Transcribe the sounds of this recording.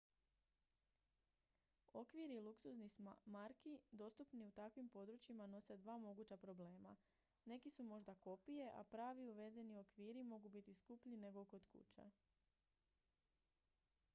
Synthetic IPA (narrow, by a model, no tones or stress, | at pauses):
o̞kʋiɾilˠuksuznimaɾkid̪o̞st̪upniut̪akʋimpo̞d̪ɾut͡ɕimano̞se̞d̪ʋaːmo̞ɡuːt͡ɕapɾo̞ble̞ːma̰ | ne̞kisumo̞ʒd̪ako̞pije̞ʔa̰pɾaːʋiuʋe̞zenio̞kʋiːɾimo̞ɡubit̪iskupʎine̞ɡo̞ko̞d̪kṵt͡ɕḛ